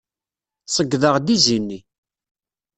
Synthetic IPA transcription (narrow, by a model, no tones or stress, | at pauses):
sˤəɡːðəʁd̪izinːi